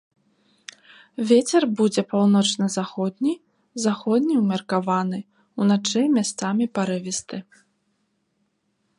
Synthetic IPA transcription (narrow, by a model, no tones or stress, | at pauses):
vʲet͡sʲɛrbud͡zʲɛpawnɔt͡ʂnɐzaxɔd̪ʲnʲi | zaxɔd̪ʲnʲiwmʲɐrkavanɨ | unat͡ʂɛjmʲast̪samʲipaɾɨvʲist̪ɨ